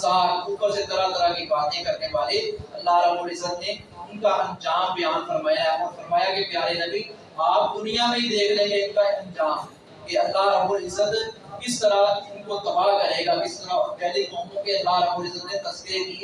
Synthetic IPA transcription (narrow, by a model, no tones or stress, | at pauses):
saːlʊpəɾset̪ɐɾat̪ɐɾakibaːt̪ẽkɐɾneʋaːleɐlːaɦɾəbuːɾɪzəd̪ne | ʊnkaʔɐ̃nd͡ʒaːmbɐjaːnfɐɾmaːjaɛɔːɾfʰɐɾmaːjakepjaːɾenɐbi | aːp̚d̪ʊnijamẽɦid̪eːkʰɾɐɦẽʊnkaɐ̃nd͡ʒaːm | keɐlːaɦɾəbuːlɪzəd̪ | kɪst̪əɾaʊnkot̪ɐbaːkɐɾeːɡakɪst̪əɾaɔːɾpɛɦlekɔːmõkeɐlːaɦɾɐbuːɾɪzəd̪net̪ɐskeki